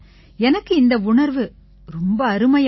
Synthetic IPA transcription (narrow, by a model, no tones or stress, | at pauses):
ɛnɐkːɯɪnd̪ɐʊɳɐɾʋɯ | ɾɔmbɐːɾɯmɐj